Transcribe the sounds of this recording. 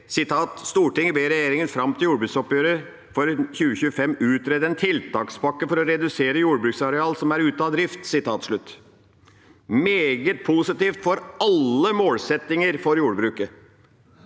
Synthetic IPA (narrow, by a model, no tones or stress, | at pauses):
sɪt̪ʰɑːt̪st̪uːʈɪŋːəbeːɾɛjeːɾɪŋənfɾɑmt̪ʰɪljuːɾbʉːksɔpjøːɾə | fɔɾçʉːəçʉːəfɛmːʉːt̪ɾɛd̪əɛnt̪ʰɪlt̪ʰɑːksbɑkːəfɔɾɔɾɛd̪ʉseːɾəjuːɽbɾʉːksɑɾɛɑːlsɔmæɾʉːt̪ɑːd̪ɾɪft̪sɪt̪ʰɑːt̪ʂɭʉt̪ː | meːɡət̪̚pʰusɪt̪iːft̪fɔɾɑlːəmoːlsɛt̪ːɪŋəɾfɔɾjuːɽbɾʉːkə